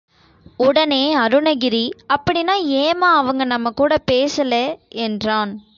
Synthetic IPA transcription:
ʊɽɐneːɐɾɯnɐɣɪɾiɐpːɐɽɪnaːeːmãːɐʋɐŋɡɐnɐmːɐkuːɽɐpeːsɐlɛɛndraːn

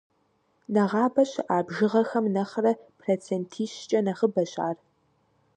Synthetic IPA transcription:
nɐʁɑːbɐɕɪʔaːbʒɪʁɐxɐmnɐχrɐpʰroːt͡sʰentʰiːɕt͡ʃʼɐnɐχəbɐɕʼa̰ːr

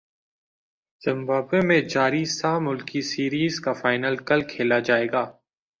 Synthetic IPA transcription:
z̥ɪ̃mbaːbemẽd͡ʒaːɾisaːmʊlkisiːɾiːzkafaːɪnəlkɐlkʰeːlad͡ʒaːeːɡaː

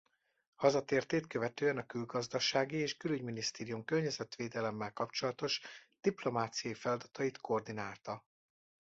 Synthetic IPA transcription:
hɒzɒt̪eːrt̪eːt̪køvɛt̪øːɛnɒkylɡɒzd̪ɒʃaːɡieːʃkylyɟminist̪eːɾijumkørɲɛzɛt̪ʋeːd̪ɛlɛmːɛlkɒpt͡ʃo̞lɒt̪o̞ʃd̪̥iplo̞maːt̪sijɒjifɛlɒd̪ɒt̪ɒjit̪ko̞rd̪inaːlt̪ɒ

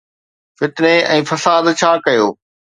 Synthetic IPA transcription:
fɪt̪neɛ̃ːfɐsaːd̪t͡ɕʰaːkɐjoː

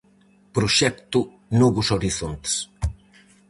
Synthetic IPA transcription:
pɾuʃɛkt̪u | nɔβusoɾiθont̪s

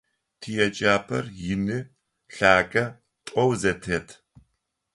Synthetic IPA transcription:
tʰijɛt͡ʃʼaːpʰɐrjɪnɨ | ɬaːkʼɐ | tʼɔwzɐtʰɐːtʰ

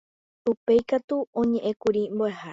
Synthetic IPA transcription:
upe̞jkat̪uõɲẽʔẽ̞kuɾimboehae

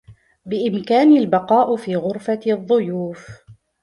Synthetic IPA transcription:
bɪʔɪmkaːnɪlbɑqɑːʔfiːɣʊɾfaðˤːʊjuːf

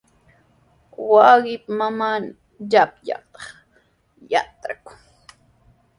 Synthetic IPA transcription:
waɢɪpmamaːn | ʎapʎɑ̰t̪ɑ̥χ | jat̪ɾakʊ̥ŋ

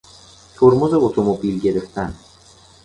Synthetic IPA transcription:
t̪ʰoɾmuzeot̪ʰomobilɡʲe̞ɾeft̪ʰan

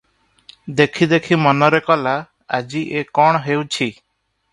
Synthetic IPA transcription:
d̪ekʰid̪ekʰimɔnɔɾekɔla | ad͡ʒiʔekɔɽ̃ɔɦewt͡ʃʰi

